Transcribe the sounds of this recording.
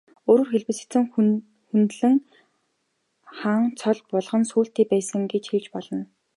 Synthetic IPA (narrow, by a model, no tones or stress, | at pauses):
oːɾɵ̆ːrxeɮpɘ̆sĕ̥t͡sɘ̆ŋ | xunt̪ɮɘ̆ŋ | χaːŋt͡sʰɔɮpɔɮʁɞ̆nsuːɬt̪eːpæːsə̆ŋɡet͡ɕxiɮt͡ɕpɔɮɞ̆n